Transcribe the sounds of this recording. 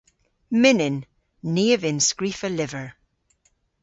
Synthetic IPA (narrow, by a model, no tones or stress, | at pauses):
mɪnɪnː | eːəvɪnskɹifəlɪvəɹ